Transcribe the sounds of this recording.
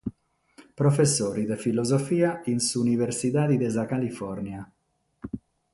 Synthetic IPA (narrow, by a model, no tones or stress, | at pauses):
pɾofesːoːɾid̪efilozofiːainsuniveɾsit̪aːd̪id̪ezakalifɔɾnja